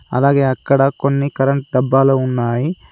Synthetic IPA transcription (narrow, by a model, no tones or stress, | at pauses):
ɐ̰laːɡeːɐkːɐɽɐkonːikɐɾɐɳʈ̚ɖɐbːaːlɐunːaːji